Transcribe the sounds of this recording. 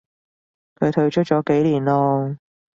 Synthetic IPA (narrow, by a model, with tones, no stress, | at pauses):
kʰɵ˨˧ɥt̪ʰɵ˧ɥt͡ʃʰɵ˥t̚t͡ʃɔː˨˥ke˨˥jliː˨˩nlɔː˥